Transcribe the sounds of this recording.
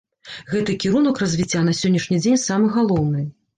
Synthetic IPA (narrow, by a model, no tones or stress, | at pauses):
ɣɛt̪ɨkʲiɾunɐkrɐzʲvʲit͡sʲːanɐsʲɔnʲːɐʂnʲid͡zʲenʲsamɨɣalˠɔwnɨ